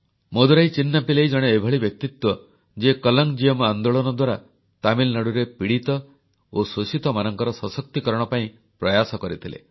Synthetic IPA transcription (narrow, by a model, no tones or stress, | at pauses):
mod̪uɾajt͡ʃinːapilejd͡ʒɔɽ̃eebʱɔɭibjɔk̚t̪it̪wɔ | d͡ʒekɔlɔŋd͡ʒijɔmand̪oɭɔnɔd̪waɾa | t̪amilnaɽuɾepiɽit̪ɔ | ososit̪ɔmanɔŋkɔɾɔsɔsɔk̚t̪ikɔɾɔɽ̃ɔpaĩ | pɾɔjasɔkɔɾit̪ʰilḛ